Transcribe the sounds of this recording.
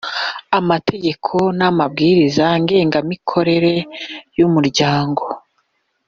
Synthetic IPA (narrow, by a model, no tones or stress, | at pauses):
amatʰe̞ɟe̞kʰo̞namab̚ɡiːɾizaŋɡe̞ːŋɡamikʰo̞ɾe̞ɾe̞jumuɾɟaːŋɡo̞